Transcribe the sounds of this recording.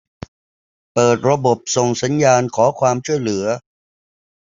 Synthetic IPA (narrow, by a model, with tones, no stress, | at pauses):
pɤː˨˩t̪̚ɾa˧bo˨˩p̚so˨˩ŋsa˩˦njaː˧nkʰɔː˩˦kʰwaː˧mt͡ɕʰu˥˩əjlɯ˩˦ɐ